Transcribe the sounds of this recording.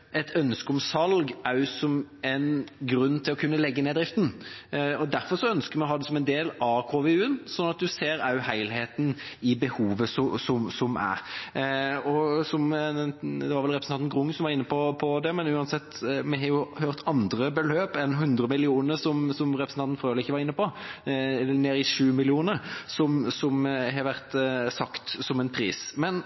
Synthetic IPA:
ʔɛt̪ʰœnskəɔmsɑlɡɑsɔmɛnɡɾʉnːt̪ʰɪlɔkʰʉnːəlɛɡːəneːd̪ɾɪft̪n̩ɔd̪æɾfɔɾʂɔœnskəɾmɛɦɑːd̪ɛsɔmɛnd̪eːlɑːkʰoːʋeʉːənsɔnːɑt̪̚d̪ʉseːɾɑʉhæɪlheːt̪nɪbəhuːʋəsɔsɔmsɔmæ̰ɾ | ɔsɔmɛd̪ɛʋɑɾʋɛlɾɛpɾəsɑnnɡʁʊŋːsɔmʋɑɾɪnːəpʰɔpʰɔd̪ɛmɛnʉːɑnsɛt̪ːmɛhɑɾjʊhøːɾt̪ʰɑnd̪ɾəbəløːpɛnɦʉnd̪ɾəmɪlɪuːnəɾsɔmsɔmɾɛpɾsn̩ɑnt̪n̩fɾøːlɪɪçːəʋɑɾɪnːəpʰɔ | neːɾɪʂʉːmɪlɪuːnəɾsɔmsɔmɦɑɾʋæʁt̪sɑkt̪sɔmɛnpʰɾiːsmɛn

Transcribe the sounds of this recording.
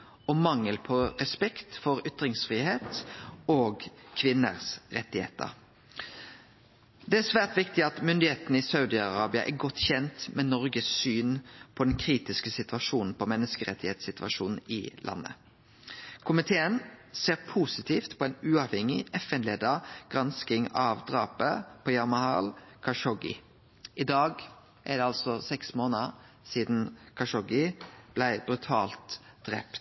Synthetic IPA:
ɔmɑŋːəlpʰɔʁɛspɛkt̪fɔɾʏt̪ʁɪŋsfʁiːheːt̪oːɡkʰʋɪnə̰ʁsʁɛt̪ːɪhḛːt̪ə̰ʁ | d̪ɛæsʋæːʁt̪ʋɪkt̪ɪɑt̪mʏnd̪ɪheːt̪nəɪsɑʉd̪ɪɑʁɑːbɪɑ̰ʔɛ̰ɡɔt̪ːçɛnt̪mɛnɔʁɡəssyːnpʰɔd̪ɛnkʰɾiːt̪ɪskəsɪt̪ʋɑʃuːnn̩pʰɔmɛnːəskəʁɛ̰t̪ːɪheːt̪sɪt̪ʋɑ̰ʂuːnn̩ɪ̰lʔɑ̰nːə̰ | kʰʊmɪt̪ʰeːənseːʁpʰuːsɪt̪ʰiːft̪pʰɔɛɪnʉːɑʋhɛŋɪʔɛfɛnleːd̪əɡ̥ʁɑnskɪŋɑʋd̪ʁɑːpəpʰɔjɑmɑhɑ̰ːlkʰɑʃɔɡɪ̰ | ʔɪd̪ɑːɡ | ʔæɖ̪ɛɑlsɔsɛksmoːnəʁ | siːd̪n̩kʰɑʂɔɡɪb̥læɪbɾʉt̪ʰɑ̰ːlt̪d̪̥ʁɛ̰pt̪

